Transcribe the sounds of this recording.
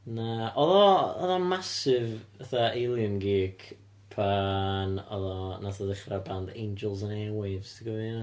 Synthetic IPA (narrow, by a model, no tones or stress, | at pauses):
naʔɔðɔɔðɔmasɪvəθaʔelˠjənɡiːkʰ | pʰanɔ̰ðɔnasaðəχrabandḛjnd͡ʒɛlˠzənɛwɪvstʰiɡəvina